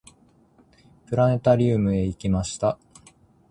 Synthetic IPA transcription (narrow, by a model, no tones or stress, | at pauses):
pɯ̟ɾane̞t̪aɾʲɨːmɯ̟e̞ikʲimaɕi̥t̪a